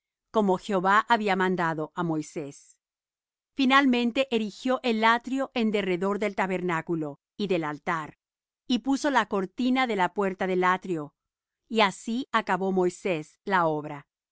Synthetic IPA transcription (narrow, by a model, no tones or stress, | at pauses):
ko̞mo̞xeoβaʔaβiamãnd̪aðo̞ʔamo̞jse̞s | finalmẽ̞nt̪e̞ʔeɾixjo̞ʔe̞lːat̪ɾjo̞ʔe̞nd̪e̞re̞ðo̞ɾðe̞lt̪aβe̞ɾnakulo̞ | iðe̞lalt̪aɾ | ipuso̞lako̞ɾt̪inaðe̞lapwe̞ɾt̪aðe̞lat̪ɾjo̞ | iasiakaβo̞mo̞jse̞s | lao̞βɾa